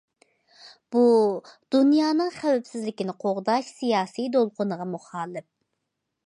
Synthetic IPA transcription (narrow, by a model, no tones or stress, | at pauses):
b̥ud̪̥unjɑːnɨŋχæwɛpsɪzlɪkʲinɪqʰoʁd̪ɑʃsijɑːsijd̪olˠqʰʊnəʁɑmuχɑːlˠɪp̚